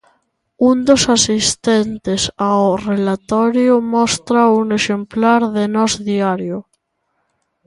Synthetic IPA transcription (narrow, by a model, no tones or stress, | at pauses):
und̪osasist̪ent̪esawrelat̪ɔɾjomɔst̪ɾauŋeʃemplaɾðenɔzðiaɾjo